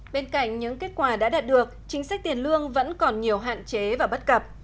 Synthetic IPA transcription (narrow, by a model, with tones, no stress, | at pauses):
ɓe˧nka̰˧˨jŋ̟ɲɨ̰˧˥ŋke˦˥t̚kwaː˧˩ɗa̰ː˧˥ɗaː˨˩t̚ɗɨ˨˩ək̚t͡ɕï˨˦ŋ̟sa˦˥k̟̚t̪i˨˩ənlɨ˧əŋvə̰˧˥nkɔ˨˩nɲi˨˩əwɦa̰ː˧˨nt͡ɕe˨˦vaː˨˩ɓə˦˥t̚kə˨˩p̚